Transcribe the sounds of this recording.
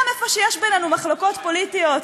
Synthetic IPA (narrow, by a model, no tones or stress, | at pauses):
mefoʃejɛʃbenenumaχloko̞t̪po̞lit̪ijo̞t̪